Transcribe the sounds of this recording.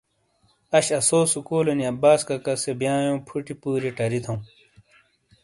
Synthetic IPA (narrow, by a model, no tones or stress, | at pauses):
ɐɕɐsoːsukoːlɐniɐbaːskɐkɐsebjãːjõːpʰuʈipuːɾiʈɐɾit̪ʰɐũ